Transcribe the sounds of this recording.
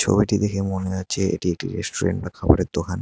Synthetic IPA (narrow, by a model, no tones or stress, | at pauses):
t͡ɕʰo̰biʈid̪ekʰemoneat͡ɕʰeekʈiek̚ʈiɾesʈoɾḛɳʈbakʰabo̰ɾed̪okʰan